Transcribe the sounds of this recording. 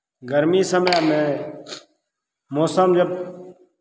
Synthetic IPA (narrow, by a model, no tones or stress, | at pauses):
ɡəɾmiːsəmjamẽː | moːsəmd͡ʒəb